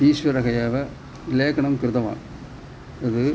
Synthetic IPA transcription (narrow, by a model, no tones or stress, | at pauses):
iːsʋɐɾɐɣɐjaːʋɐ | leːkɐɳɐmkɪɾɯðɐʋa̰ːŋ | ɪðɯ